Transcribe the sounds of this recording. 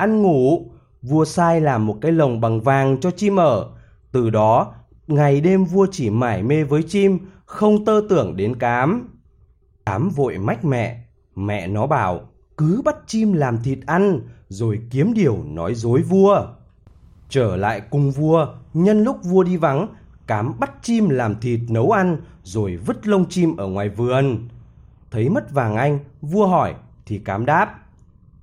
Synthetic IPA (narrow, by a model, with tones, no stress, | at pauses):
ʔa˧nŋu˧˩ | vu˧əsaː˧jlaː˨˩mːo˨˩t̚kaː˨˦jlə˨˩wŋ͡mɓa˨˩ŋvaː˨˩ŋt͡ɕɔ˧t͡ɕi˧mʔəː˧˩ | t̪ɨ˨˩ɗɔ˨˦ | ŋa˨˩jɗe˧mvu˧ət͡ɕi˧˩maː˧˩jme˧vəː˨˦jt͡ɕi˧m | xə˧wŋ͡mt̪əː˧t̪ɨ˧˩əŋɗe˨˦nkaː˨˦m | ʔaː˨˦mvo̰˧˨jma˦˥k̟̚mɛ̰˧˨ | mɛ̰˧˨nɔ˨˦ɓaː˧˩w | kɨ˨˦ɓa˦˥t̚t͡ɕi˧mlaː˨˩mt̪ʰi˨˩t̚ʔa˧nzo˨˩jki˨˦əmɗi˨˩əwnɔ˨˦jzo˨˦jvu˧ə | t͡ɕəː˧˩la̰ː˧˨jkʊ˧ŋ͡mvu˧əɲə˧nlʊ˦˥k͡p̚vu˧əɗi˧va˨˦ŋ | kaː˨˦mɓa˦˥t̚t͡ɕi˧mlaː˨˩mt̪ʰi˨˩t̚nə˨˦wʔa˧nzo˨˩jvɨ˦˥t̚lə˧wŋ͡mt͡ɕi˧mʔəː˧˩ŋwaː˨˩jvɨ˨˩ən | t̪ʰə˨˦jmə˦˥t̚vaː˨˩ŋʔa˧jŋ̟vu˧əɦɔ˧˩jt̪ʰi˨˩kaː˨˦mɗaː˦˥p̚